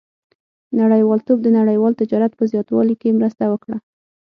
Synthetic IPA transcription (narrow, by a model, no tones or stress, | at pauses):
naɽəjwɑlt̪ob̚d̪ənaɽəjwɑlt̪ɪd͡ʒɑɾat̪̚pəzjɑt̪wɑ̰likemɾəst̪awəkɽa